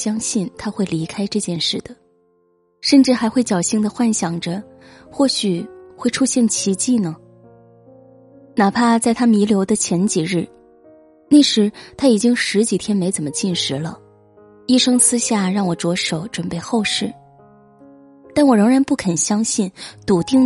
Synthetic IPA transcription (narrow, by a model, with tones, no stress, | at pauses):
ɕjɑ˥ŋɕi˥˩nt̪ʰa˥xwe˥˩ɪli˧˥kʰa˥ɪʈ͡ʂɤ˥˧t͡ɕjɛ˥˧nʂɻ̩˥˩d̪ə˩ | ʂə˥˧nʈ͡ʂɻ̩˥˩xa˧˥ɪxwe˥˩ɪt͡ɕjɑ˨˩ʊɕi˧˥ŋd̪ə˨xwa˥˩nɕjɑ˨˩ŋʈ͡ʂə˦ | xwɔ˥˩ɕy˨˩xwe˥˩ɪʈ͡ʂʰu˥ɕjɛ˥˩nt͡ɕʰi˧˥t͡ɕi˥˩nə˩ | na˨˩pʰa˥˧t͡sa˥˩ɪt̪ʰa˥mi˧˥ljo˧˥ʊd̪ə˧t͡ɕʰjɛ˧˥nt͡ɕi˨˩ɻɻ̩˥˩ | na˥˩ɪʂɻ̩˧˥t̪ʰa˥i˨˩t͡ɕi˥ŋʂɻ̩˧˥t͡ɕi˨˩t̪ʰjɛ˥nme˧˥ɪt͡sə˨˩nmə˦t͡ɕi˥˩nʂɻ̩˧˥lə̰˧ | i˥˧ʂɤ˥ŋsʰɹ̩˥ɕja˥˩ɻɑ˥˩ŋwɔ˨˩ʈ͡ʂwɔ˧˥ʂo˨˩ʊʈ͡ʂwə˨˩npe˥˧ɪxo˥˧ʊʂɻ̩˥˩ | t̪a˥˩nwɔ˨˩ɻɤ˧˥ŋɻa˧˥npu˥˩kʰə˨˩nɕjɑ˥ŋɕi˥˩nt̪u˨˩t̪i˥˩ŋ